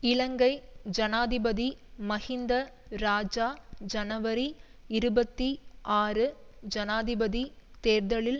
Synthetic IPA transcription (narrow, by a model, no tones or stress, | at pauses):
ɪɭɐŋɡɐɪd͡ʒɐnaːðɪbɐðimɐɣɪnd̪ɐ | ɾaːd͡ʒaːd͡ʒɐnɐʋɐɾi | ɪɾɯbɐt̪ːiʔaːrɯd͡ʒɐnaːðɪbɐðit̪eːɾðɐɭɪl